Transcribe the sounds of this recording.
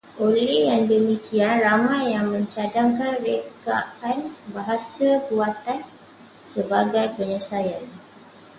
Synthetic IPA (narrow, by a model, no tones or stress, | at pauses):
ʔolɛhjaŋdəmĩkʰianramãjːaŋmə̃ɲt͡ʃadaŋkanrekaʔanbaɦasabuat̪an | səbaɡajpəɲəsajan